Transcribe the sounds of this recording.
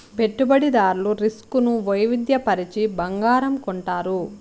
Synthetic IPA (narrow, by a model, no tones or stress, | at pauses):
pe̞ʈːubɐɽid̪aːɾluɾiskunuʋɐjʋid̪jɐpɐɾit͡ʃibɐŋɡaːɾɐmkɔɳʈaːɾu